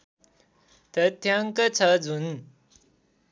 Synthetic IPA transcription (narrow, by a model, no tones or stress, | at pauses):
t̪ət̪ʰjaŋkət͡sʰəd͡zʱun